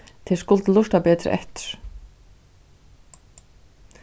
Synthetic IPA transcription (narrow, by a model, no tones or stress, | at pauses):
t̪ʰɪskʊlt̪lʊʂt̪apɛːt̪ɾɪ̰ʔɛ̰ht̪ʏ̥ɾ̥